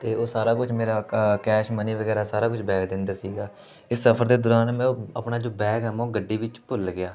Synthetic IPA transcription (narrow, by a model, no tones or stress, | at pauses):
t̪eːoːsaːɾaːkʊd͡ʒmeːɾaːkɛːʃməniːʋəɡɛːɾaːsaːɾaːkʊd͡ʒbɛːɡd̪ɪ̃nd̪aːsiːɡaː | ɪsːəpʰəɾd̪eːd̪ʊɾaːnmɛ̃ːəpnaːd͡ʒoːbɛːɡɛːmːɡəɖːiːʋɪt͡ʃpʊlɡɪaː